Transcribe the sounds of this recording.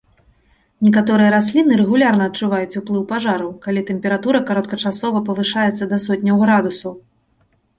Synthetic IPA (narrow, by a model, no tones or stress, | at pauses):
nʲɛkat̪ɔɾɨjɐɾasʲlʲinɨɾɛɣulʲarnɐːt̪̚t͡ʂuvajut͡sʲuplˠɨwpaʐaɾɐwkalʲit̪ɛmʲpʲɛɾat̪uɾɐkaɾɔt̪̚kɐt͡ʂasɔvɐpɐvɨʂajɛt̪sːɐd̪ɐsɔt̪̚ʲnʲɐwɣɾad̪usɐw